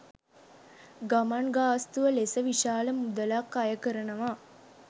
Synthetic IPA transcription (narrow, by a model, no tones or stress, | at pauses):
ɡamanɡaːst̪uʋəlesəʋiʃaːləmud̪əlakːajəkəɾənəʋaː